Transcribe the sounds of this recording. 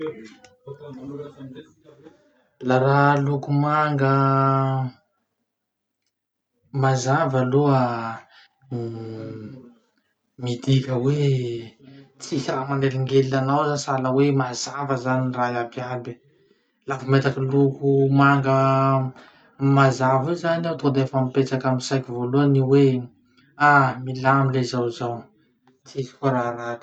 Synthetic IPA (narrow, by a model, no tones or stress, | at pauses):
laɾalukumaŋɡə | mazavəluə | mid̪ikʲəwe | t͡sisamaneliŋɡelilanawzasaləwemazavəzanirajabjalbi | lavumet̪akilukumaŋɡə | mazavizanat̪od̪eafamipet͡sakamisajkivoluəniwe | amilamilezawzaw | t͡sisi̥koɾarḁ